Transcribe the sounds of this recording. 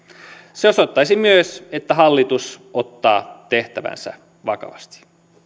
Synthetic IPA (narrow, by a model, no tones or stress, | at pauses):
seosot̪ːɑjsimyøse̞t̪ːæɦɑlːit̪usot̪ːɑːt̪e̞ht̪æʋæ̰nsæ̰ | ʋɑkɑ̰ʋɑst̪i̥